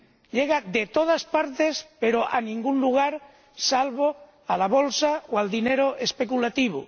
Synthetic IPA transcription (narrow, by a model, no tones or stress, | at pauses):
ʎeɣ̞ad̪et̪oð̞aspaɾt̪espeɾoʔanĩŋɡunluɣ̞aɾ | salβo | alaβolsaoald̪ineɾoʔespekulat̪iβ̞ṵ